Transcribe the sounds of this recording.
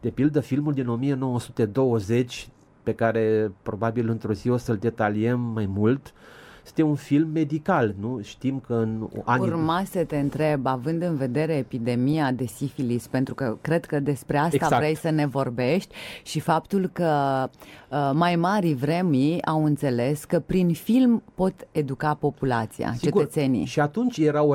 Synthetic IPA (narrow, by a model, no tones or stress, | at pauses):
d̪̥e̞pild̪əfilmuld̪ino̞mije̞no̞wəsut̪e̞d̪o̞wəze̞t͡ʃʲ | pe̞kaɾe̞pɾo̞babilɨnt̪ɾuziwəsəld̪e̞t̪aliemːajmult̪sɨ̥t̪eunfilmːe̞d̪ikalnuʃt̪imkəɨnanurmasət̪e̞ɨnt̪ɾe̞bavɨnd̪ɨnve̞d̪e̞ɾeːpid̪e̞mijad̪e̞sifilispent̪ɾukəkɾe̞d̪kəd̪e̞spɾe̞ast̪avɾejsəne̞vo̞rbe̞ʃt̪ʲʃifapt̪ulkə | majmaɾivɾe̞miawɨnt̪se̞le̞skəpɾinfilmpo̞t̪e̞d̪ukapo̞pulat̪sija̰t͡ʃt͡ʃe̞ɡuət̪se̞nḭʃiat̪unt͡ʃʲjeɾa